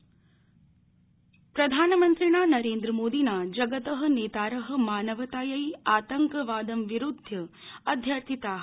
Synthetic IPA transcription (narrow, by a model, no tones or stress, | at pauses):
pɾɐd̪ʱaːnɐmɐnt̪ɾiɳaːnɐɾeːnd̪ɾɐmoːd̪inaːd͡ʒɐɡɐt̪ɐɦɐ̆neːt̪aːɾɐɦɐ̆maːnɐʋɐt̪aːjɐjaːt̪ɐŋkɐʋaːd̪ɐmʋiɾud̪ʱjɐɐd̪ʱjɐɾt̪ʰit̪aːɦ